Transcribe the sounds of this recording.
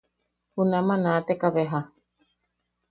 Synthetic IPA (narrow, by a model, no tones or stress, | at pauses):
hunamãnãt̪ekaβeɦa